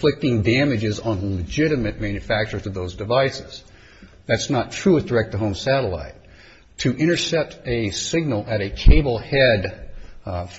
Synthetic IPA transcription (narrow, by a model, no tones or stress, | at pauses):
lɪk̚tɪ̃ŋdæmɨd͡ʒɨzn̩lɨd͡ʒɪɾɨmɨt̚mæ̃njɨfæk̚t͡ʃə˞zʌðoʊzdɨvaɪsɨz̥ | ðætsnətʰɹ̥uɨd̥ə˞ɛk̪̚ðəɦõʊ̃msæɾəla̰ɪtʰ | ɨʔɪ̃ɾ̃ə˞sɛp̚tɨsɪɡ̚nl̩ˠɨɾɨkʰeɪbl̩ˠhɛd